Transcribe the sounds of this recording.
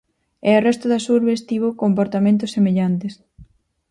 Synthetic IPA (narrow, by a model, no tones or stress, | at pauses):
eorɛst̪ʊðasuɾβest̪iβ̞okompoɾt̪amẽnt̪ʊsemeʎant̪es